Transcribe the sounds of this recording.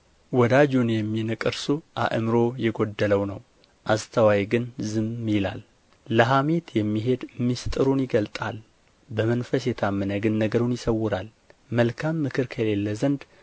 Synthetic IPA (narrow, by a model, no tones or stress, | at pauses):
wɔd̪ad͡ʒunjɛmːinɨkʼɨɾsuʔa̰ʔmɾo̞jɛɡo̞d̪ːələwnəw | ʔast̪ʰəwajɡɨnzɨmːjɪla̰lː | əɦame̞t̪jɛmːiɦe̞d̪mːist̪ʼɨɾunjɪɡəlt̪ʼal | bəmənfəsjɛt̪ʰamːənəɡɨnːəɡəɾunjɪsəwːʊɾal | məlkʰamːɨkʰɨɾkʰəle̞lːəzənd̪